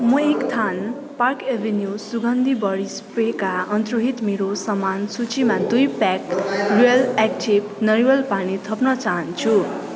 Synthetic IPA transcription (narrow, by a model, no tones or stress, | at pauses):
mʌekt̪ʰan | parkebʱenjusuɡʌnd̪ʱibʌɾispekaʌnt̪roɦit̪meɾosʌmansut͡simad̪ujpakrujʌlekʈʰibnʌɾiwʌlpanit̪ʰʌpnʌt͡saɦʌnt͡sʰu